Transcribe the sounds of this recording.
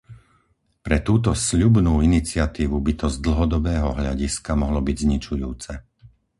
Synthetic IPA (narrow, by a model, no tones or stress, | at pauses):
pɾɛt̪uːt̪̬ɔsʎubnuːinit͡sɪat̪iːʋubit̪ɔzd̪l̩ɦɔd̪ɔbɛːɦɔɦʎa̰ɟiskamɔɦlɔbiɟzɲit͡ʃujuːt͡sɛ